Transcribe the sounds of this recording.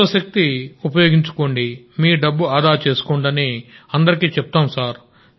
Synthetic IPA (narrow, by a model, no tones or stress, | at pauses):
ɐʃɐk̚t̪iupɐjoːɡiɲt͡ʃu̥ko̞ːɳɖi | miːɖɐbːuaːd̪aːɾt͡ʃeːsu̥koːɳɖɐneːɐnd̪ɐɾikiːt͡ʃɛp̚t̪aːmsaːɾ